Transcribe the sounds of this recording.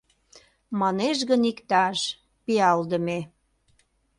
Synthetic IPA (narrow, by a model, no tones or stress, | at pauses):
mɑneʃɣənikt̪ɑʃ | piɑld̪əme